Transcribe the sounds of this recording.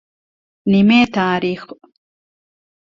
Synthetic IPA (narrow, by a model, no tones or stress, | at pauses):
nimeːt̪ʰaːɾiːx